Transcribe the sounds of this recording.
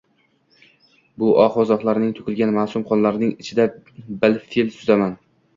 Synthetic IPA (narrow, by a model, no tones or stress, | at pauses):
bʊʔɒqɒzɒχlˠaɾnɪŋt̪ʰʊ̥kʲɪlɡʲanmasʊmqʰɒnlaɾnɪŋɪt͡ʃʰɪd̪abɪlfilsʊzaman